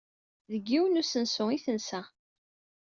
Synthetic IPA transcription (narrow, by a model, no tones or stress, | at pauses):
ðəɡːiwənusənsʊiθənsæ